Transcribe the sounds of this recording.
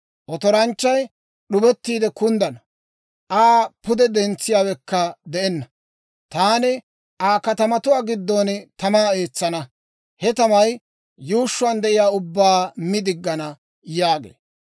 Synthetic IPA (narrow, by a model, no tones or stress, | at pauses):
ʔɔt̪ɔɾɐnt͡ʃːɐj | ɗʊbɛt̪ːiːd̪ɛkʊnd̪ɐnɐ | ʔaːpʊd̪ɛd̪ɛnt͡sːɪjaːwɛkːɐd̪ɛʔɛnːɐ | t̪aːnɪ | ʔaːkɐt̪ɐmɐt̪ʊwaːɡɪd̪ːont̪ɐmaːeːt͡sːɐnɐ | hɛt̪ɐmɐj | juːʃːʊɐnd̪ɛʔɪjaːʊbːaːmɪd̪ɪɡːɐnɐ | jaːɡḛː